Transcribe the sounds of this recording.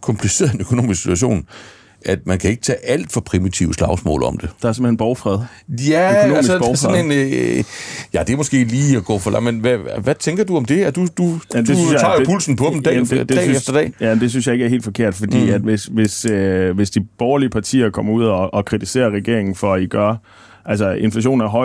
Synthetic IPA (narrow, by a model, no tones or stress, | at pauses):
kʰɒ̽mpʰlise̝̰ɐðˠe̝nø̥kʰo̝no̝̰ːmisksi̥t͡sʰuæɕ̬o̝̰ːn | ʔæd̥mænkʰæe̝ɡ̥ə̥t͡sʰɛ̰ːʔæl̰d̥fɒ̽pʰʁimit͡sʰiʊəslɑ̈ʊsmɔ̰̽ːlɒ̽md̥e̝d̥ɑ̈æse̝m̩henb̥ɒʊfʁɛð̞ˠjæøono̝æmisbɒʊsnen | jæd̥emɔsɡ̥e̝̰ːliːæɡ̥ɔ̰ːfɒlʔɑ̈menʋæʋæt͡sʰeŋɡ̥ɐd̥uɒ̽md̥e̝æd̥ud̥ujæm̥e̝synsjt͡sɑ̰̈jpʰulsn̩pʰɒ̽d̥m̩̥ɛded̥ɛ̰ːefd̥ɐd̥ɛ̰ːjænd̥e̝synsjɑ̈e̝ɡ̥æɐe̝̰ːld̥fɒ̽kʰe̝ɐ̰d̥fɒ̽d̥ḭːæd̥ʋesʋe̝søʋe̝sd̥ib̥ɒʊɐliəpʰɑ̈t͡sʰḭːɐkʰɒ̽m̰ɐuð̞̰ˠɒ̽ːkʰʁit͡sʰise̝̰ːɐʁɛɡ̥e̝ɐ̰e̝ŋn̩fɒ̽æiɡ̥ɶɐ | ʔæls̬ɐe̝nflæɕ̬o̝̰ːn̩æɐɦɒ̽ɪ